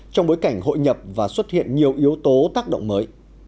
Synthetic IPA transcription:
t͡ɕɔ˧ŋ͡mɓoː˨˦jka˧˩jŋ̟ɦo̰˧˨jɲə˨˩p̚vaː˨˩swə˦˥t̚hḭ˧˨ənɲi˨˩əwʔi˨˦əwt̪o˨˦t̪aː˦˥k̚ɗo̰˧˨wŋ͡mməː˨˦j

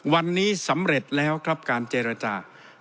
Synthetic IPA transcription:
wa˧nːiː˦˥sa˩˦mɾe˨˩t̪̚lɛː˦˥wkʰɾa˦˥p̚kaː˧nt͡ɕeː˧ɾa˧t͡ɕaː˧˩

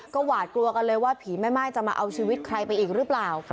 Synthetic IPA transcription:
kɔː˥˩waː˨˩t̪̚klu˧ɐka˧nlɤː˧jwaː˥˩pʰiː˩˦ma˥˩jmaː˥˩jt͡ɕa˨˩ma̰ː˧ʔa˧wt͡ɕʰiː˧wi˦˥t̪̚kʰɾa˧jpa˧jʔiː˨˩k̚ɾɯ˦˥plaː˨˩w

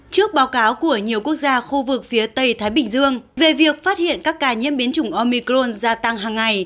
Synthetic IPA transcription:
t͡ɕɨ˦˥ək̚ɓaː˨˦wkaː˨˦wku˧˩əɲi˨˩əwku˦˥ək̚zaː˧xu˧vɨ˨˩k̚fi˨˦ət̪ə˧jt̪ʰaː˨˦jɓï˧˩ŋ̟zɨ˧əŋve˨˩vi˨˩ək̚faː˦˥t̚hḭ˧˨ənkaː˦˥kːaː˧˩ɲḭ˧˥əmɓi˨˦nt͡ɕʊ˧˩ŋ͡mʔo˧mi˧kɾo˧nzaː˧t̪a˧ŋɦaː˨˩ŋːa˨˩j

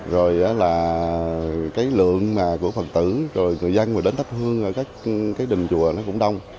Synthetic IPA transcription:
zo˨˩jʔəː˨˦laː˨˩ | kaː˨˦jlɨ̰˧˨əŋmaː˨˩ku˧˩əfə˨˩t̚t̪ɨ˧˩zo˨˩jŋɨ˨˩əjzə˧nmoː˨˩ɗe˨˦nt̪ə˦˥p̚hɨ˧əŋʔəː˧˩kaː˦˥k̚kaː˨˦jɗï˨˩ŋ̟t͡ɕṵ˧˨ənɔ˨˦kʊ̰˧˥ŋ͡mɗa˧wŋ͡m

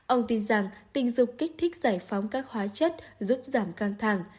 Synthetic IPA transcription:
ʔə˧wŋ͡mt̪i˧nza˨˩ŋt̪ï˧˩ŋ̟zʊ˨˩ŋ͡m̚kï˦˥k̟̚t̪ʰï˦˥k̚zaː˧˩jfa˨˦wŋ͡mkaː˦˥k̚hwaː˨˦t͡ɕə˦˥t̚zu˦˥p̚zaː˧˩mkaː˧ŋt̪ʰa˧˩ŋ

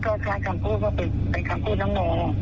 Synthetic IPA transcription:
kɔː˧˩kʰaː˧˥˩jkʰa˧mkʰuː˥˩kɔː˥˩pe˨˩pa˧˩jkʰa˧mkʰuː˥˩t̪̚na˦˥ŋmoː˨˧˦

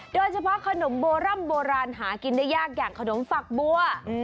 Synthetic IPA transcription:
doː˧jt͡ɕʰa˧pʰɔ˦˥ʔkʰa˧no˩˦mboː˧ɾa˥˩mboː˧ɾaː˧nɦaː˩˦ki˧ndaː˥˩jːaː˥˩k̚jaː˨˩ŋkʰa˧no˩˦mfa˨˩k̚bu˧ə

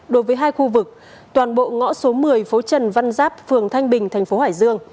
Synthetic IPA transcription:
ɗo˨˦jvəː˨˦jɦaː˧jxu˧vɨ˨˩k̚ | t̪waː˨˩nɓo̰˧˨ŋɔ̰˧˥so˨˦mɨ˨˩əjfo˨˦t͡ɕə˨˩nva˧nzaː˦˥p̚fɨ˨˩əŋt̪ʰa˧jŋ̟ɓï˨˩ŋ̟t̪ʰɛ˨˩jŋ̟fo˨˦haː˧˩jzɨ˧əŋ

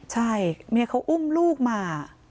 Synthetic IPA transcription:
t͡ɕʰa˥˩jmiː˧˥˩kʰa˧wʔu˥˩mluː˥˩k̚maː˧

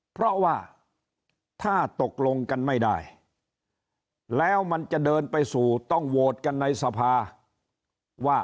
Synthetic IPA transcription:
pʰɾɔ˦˥waː˥˩ | t̪ʰaː˥˩t̪o˨˩k̚lo˧ŋka˧nma˥˩jdaː˥˩j | lɛː˦˥wma˧nt͡ɕa˨˩ʔdɤː˧npa˧jsuː˨˩t̪ɔ˥˩ŋwoː˨˩t̪̚ka˧nːa˧jsa˧pʰaː˧ | waː˥˩

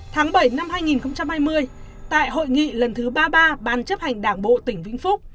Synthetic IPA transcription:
t̪ʰaː˨˦ŋɓə˧˩jna˧mhaː˧jŋi˨˩nxə˧wŋ͡mt͡ɕa˧mhaː˧jmɨ˧əj | t̪a̰ː˧˨jɦo̰˧˨jŋḭ˧˨lə˨˩nt̪ʰɨ˨˦ɓaː˧ɓaː˧ɓaː˨˩nt͡ɕə˦˥p̚ha˨˩jŋ̟ɗaː˧˩ŋɓo̰˧˨t̪ï˧˩ŋ̟vḭ˧˨ŋ̟fʊ˦˥k͡p̚

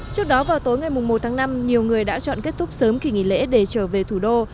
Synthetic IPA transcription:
t͡ɕɨ˦˥ək̚ɗɔ˨˦vaː˨˩wt̪o˨˦jŋa˨˩jmʊ˨˩ŋ͡mmo˨˩t̚t̪ʰaː˨˦ŋna˧mɲi˨˩əwŋɨ˨˩əjɗa̰ː˧˥t͡ɕɔ̰˧˨nke˦˥t̚t̪ʰʊ˦˥k͡p̚səː˨˦mki˨˩ŋḭ˧˨lḛ˧˥ɗe˧˩t͡ɕəː˧˩ve˨˩t̪ʰu˧˩ɗo˧

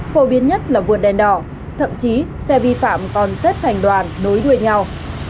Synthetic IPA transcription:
fo˨˦ɓi˨˦ənɲə˦˥t̚laː˨˩vu˨˩ət̚ɗɛ˨˩nɗɔ̰˧˩˨ | t̪ʰə̰˧˨mt͡ɕi˨˦ | sɛ˧vi˧fa̰ː˧˨mkɔ˨˩nzə˦˥t̚t̪ʰa˨˩jŋ̟ɗwaː˨˩nːo˨˦jɗu˧˩əjɲa˧w

